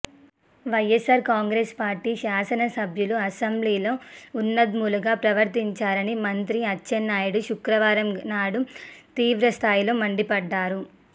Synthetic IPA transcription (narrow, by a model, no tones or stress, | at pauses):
ʋɐjesaːɾkaːŋɡɾeːspaːɾʈiːʃaːsɐnɐsɐbʱjuluɐsɐmbliːloːunːɐd̪muːluɡaːpɾɐʋɐɾt̪iɲt͡ʃaːɾɐnimɐnt̪ɾiɐt͡ʃːʃenːaːjɐɽuʃukɾɐʋaːɾɐmnaːɽut̪iːʋɾɐst̪ʰaːjlo̞ːmɐɳɖipɐɖːaːɾu